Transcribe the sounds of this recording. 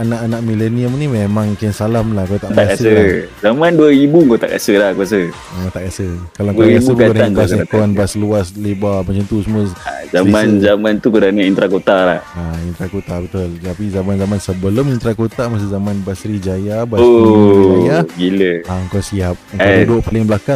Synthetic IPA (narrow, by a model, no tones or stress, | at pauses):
anaʔanaʔmileniəmnimemãŋkənsalamlahkot̪aʔtk̪akasəzamanduəibuŋkot̪a̰ʔka̰səlahkuas̬ə | eat̪aʔkasəkalaŋakasəbaankuast̪uanbasluaslebamət͡ʃənt̪usəməazamanzamant̪ukudanəint̪ɾakot̪ala̰haint̪ɾakot̪abət̪ʊlt̪apizamanzamansəbəlomint̪ɾakot̪amas̬əzamanbasɾid͡ʒajabaos | aɡiləaəŋkɔsiap̚ŋaudoʔpəlɪŋblakaŋ